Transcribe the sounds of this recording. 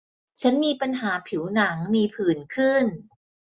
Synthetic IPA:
t͡ɕʰa˦˥nmiː˧pa˧nɦaː˩˦pʰi˩˦wna˩˦ŋmiː˧pʰɯː˨˩nkʰɯ˥˩n

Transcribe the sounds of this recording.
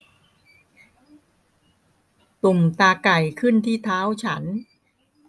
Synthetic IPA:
t̪u˨˩mt̪aː˧ka˨˩jkʰɯ˥˩nt̪ʰiː˥˩t̪ʰaː˦˥wt͡ɕʰa˦˥n

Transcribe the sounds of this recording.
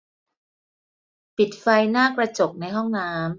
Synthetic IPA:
pi˨˩t̪̚fa˧jnaː˥˩kɾa˧t͡ɕo˨˩k̚na˧jɦɔ˥˩ŋnaː˦˥m

